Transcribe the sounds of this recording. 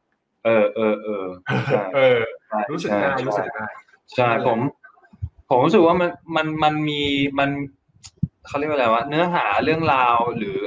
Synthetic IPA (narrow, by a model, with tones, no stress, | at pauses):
ʔɤː˧˩ʔɤː˧ʔɤː˧˩t͡ɕa˥˩jɤː˧t͡ɕʰa˥˩jɾuː˦˥sɯ˨˥˩jt͡ɕuː˦a˥˩˨k̚ːaː˥˩j | t͡ɕʰa˥˩jpʰo˩˦m | pʰo˨˩˦mɾu˦˥ɯ˨˩k̚waː˥˩ma˧nma˧nma˧nmiː˧ma˧n | kʰa˥˩ɾi˥˩k̚wwa˦˥˩nɯ˦˥ɐɦaː˩˦ɾɯ˥˩əŋɾaː˧wɾɯː˩˦